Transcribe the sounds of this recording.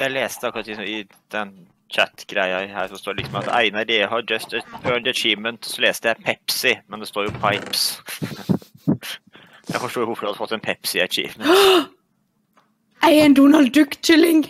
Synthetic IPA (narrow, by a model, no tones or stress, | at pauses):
jæɪleːst̪əɑkːʊɾɑt̪lɪksɔmɪ | d̪̥ɛnː | t͡ʃʰæt̪ɡ̥ɾæɪɑhæːɾsɔst̪oːɖɛlɪksɔmɑt̪æ̰ɪnɑdɪhɑd͡ʒœst̪ət̪bøːnd̪ət͡ʃiːmənt̪sɔleːst̪əjæɪpʰɛpsɪmɛnd̪ɛst̪oːɾjʊpʰɑɪps | jæ̰ɪfɔʂʈoːjʊʋʊfɔɾhɑd̪ʉfɔt̪ːɛnpʰɛpsɪɑɾt͡ʃḭːʋ̪ | ʔæɪɛnd̪unɑld̪ʉkt͡ʃɪlɪŋ